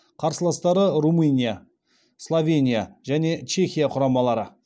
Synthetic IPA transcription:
qʰɑɾsəlˠɑst̪ɑɾərumɨnʲija | slˠovʲe̞nʲijaʒæne̞t͡ʃe̞xʲijaqʰʊɾɑmɑlˠɑɾə

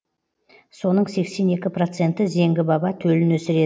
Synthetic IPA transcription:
so̞nəɴse̞kse̞ne̞kʲɪpro̞t̪se̞nt̪ɪze̞ŋɡʲɪbɑbɑt̪ʰɵlɪnwɵsɪɾe̞

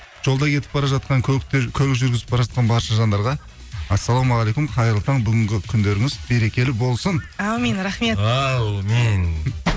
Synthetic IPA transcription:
ʒ̥o̞lˠd̪ɑjkʲʰe̞t̪ɪ̥p̚bɑɾɑʒɑt̪̚qɑŋʲʰt̪kʲʰɵɾɪkʒʏɾɡʲɪzɪpbɑɾɑʒɑt̪qɑnbɑɾʃɑʒɑnd̪ɑɾʁɑ | æsːɑlˠomɑʁlejkʊmqʰɑjɾəlˠət̪ʰɑɴbʏɡʲɪŋɡʲɪkʲʰʏnd̪e̞ɾɪŋɪzbe̞ɾe̞kʲe̞lɪbo̞lˠsənɑwmenɾaχme̞t̪wm

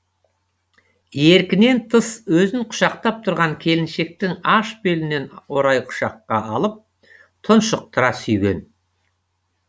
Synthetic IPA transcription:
eɾkʲɪne̞nt̪ʰəswɵzɪŋqʰʊ̥ʃɑq̚t̪ɑp̚t̪ʰʊɾʁɑŋkʲʰe̞lɪnʃe̞k̚t̪ɪŋɑʃbelɪne̞no̞ɾɑjqʰʊ̥ʃɑqːɑɑlˠəp̚ | t̪ʰʊnʃəq̚t̪əɾɑsʏjɡʲe̞̰n

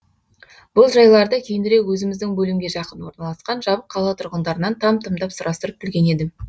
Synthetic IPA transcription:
b̥ʊlˠʒɑjlˠɑɾd̪əkʲʰe̞jɪnɪɾe̞kwɵzɪmɪzd̪ɪŋbɵlɪmɡʲe̞ʒɑqənwo̞ɾnɑlˠɑsqɑnʒɑbəqʰːɑlˠɑt̪ʰʊɾʁənd̪ɑɾənɑnt̪ʰɑmt̪ʰəmd̪ɑpsʊɾɑst̪əɾəp̚kʰʲɪlɡʲe̞ne̞d̪ɪ

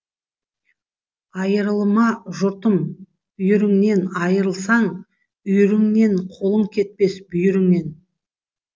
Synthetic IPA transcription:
ɑjəɾəlˠəmɑʒʊɾt̪əm | ʏjʏɾɪŋne̞nɑjəɾəlˠsɑɴ | ʏjʏɾɪŋne̞ɴqʰo̞lˠəɴkʲʰe̞t̪̚pe̞sbʏjʏɾɪŋne̞n

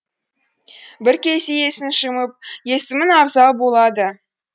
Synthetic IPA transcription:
bɪɾkʲejseje̞sɪnʃəməp̚je̞sɪmɪnɑɾzɑlˠbo̞lˠɑd̪ə

